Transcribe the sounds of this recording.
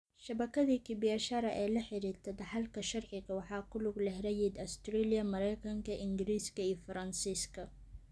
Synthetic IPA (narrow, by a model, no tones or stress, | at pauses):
ʃɐβɐkʰɐðiːkʰɪbɪɛʃɐɾɐʔɛːlɐħɪɾiːrt̪ʰɐd̪ɑħɑlkʰɐʃɐrʕɪɣɐwɑħɑːkʰʊlʊɡlɛɦɾɐjid̪ɔst̪rɛlijɐmɐɾɛjkʰɐŋkʰɐʔɪŋɡɪɾiːskʰɐiːjfɐɾɐnsiːskʰɐ